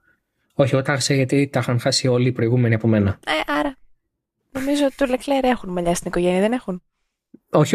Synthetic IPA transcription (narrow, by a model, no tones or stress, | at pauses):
o̞çiot̪ɐxseʝɐt̪it̪ɐxɐnxɐsio̞lipɾo̞iɣume̞niɐpo̞me̞nɐeʔɐɾɐ | no̞mizoot̪i̥t̪ulekleɾe̞xunmɐʎɐst̪iniko̞ʝe̞niɐðene̞xun | oç